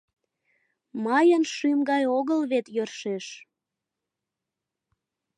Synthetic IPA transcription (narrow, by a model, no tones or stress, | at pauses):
mɑjənʃymɡɑjoɣəlβet̪jørʃeʃ